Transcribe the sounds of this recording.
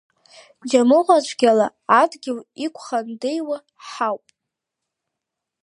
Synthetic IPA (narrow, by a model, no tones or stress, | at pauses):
d͡ʒamɨʁʷat͡ʃʷʰɡʲalaː | dɡʲɪlikʷʰʼχandejwa | ħawpʼ